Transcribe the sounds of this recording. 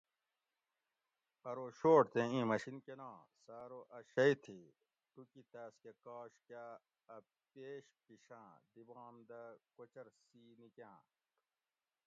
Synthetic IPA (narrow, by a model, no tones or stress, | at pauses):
ɐɾoɕoːʈt̪ʰẽĩːmɐɕinkenãː | saːɾoʔɐɕɐit̪ʰi | ʈukit̪aːskekaːka | ɐ | peːɕpiɕãːd̪ibãːmd̪ɐkot͡ɕɐɾsiːnikãː